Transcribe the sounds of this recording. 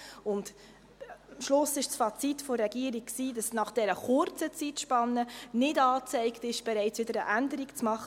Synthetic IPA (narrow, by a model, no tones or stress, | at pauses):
ʊnt | mʃlʊsɪʃt͡sfɑt͡sitfɔrɛɡiːɾiksiːd̥ɑsnɑχd̥ɛɾəχʊɾt͡sət͡sitʃpɑnːənɪdɑːt͡sɛɪktɪʃb̥ɛɾɛɪt͡sʋɪdəɾəʔændəɾikt͡smɑχə